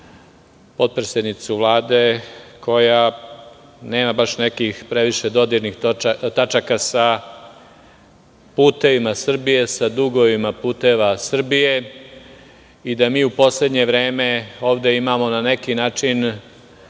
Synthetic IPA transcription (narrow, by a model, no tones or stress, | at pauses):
po̞t̪̚pɾesʲed̪nit̪suʋlˠaːd̪ekʰo̞ja | ne̞ːmabaʃne̞kixpɾe̞ʋiʃed̪o̞d̪iɾnixt̪at͡ʃakasa | puːt̪e̞ʋimasr̩bije̞sad̪uɡo̞ʋimapuːt̪e̞ʋasr̩bije̞ | id̪amiːupo̞sle̞d̪ɲe̞ʋɾe̞ːme̞o̞ːʋd̪e̞imamo̞nane̞kinaːt͡ʃin